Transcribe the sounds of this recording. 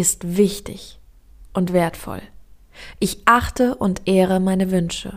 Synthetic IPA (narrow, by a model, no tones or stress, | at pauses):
ɪstv̥ɪçtɪ̰ç | ʔʊntv̥eːɐtfɔ̰l | ʔɪçʔaχtəʔʊntʔeːʁ̞əmaɪnəvʏnʃə̰